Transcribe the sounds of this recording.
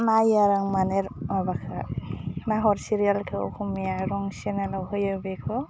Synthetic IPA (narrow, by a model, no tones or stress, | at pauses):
najaɾaŋmaneɾmabakʰanaɦɔɾsiɾialkʰḛkʰumijaɾɔŋsenalawɦɯjabekʰɔ